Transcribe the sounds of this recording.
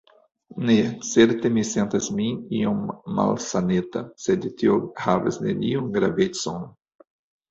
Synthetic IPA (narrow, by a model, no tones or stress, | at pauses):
neseɾt̪emisẽnt̪ɐsmĩiõma̰lsanet̪ɐsɛd̪it̪ʰiohavɐ̰sneniũŋɡɾavet̪sɔ̃n